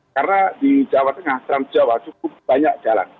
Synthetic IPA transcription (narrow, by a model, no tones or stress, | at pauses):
karənadid͡ʒawat̪əŋaht̪ɾan̥d͡ʒawat͡ʃukʊp̚b̥aɲak̚d͡ʒ̥ala̰n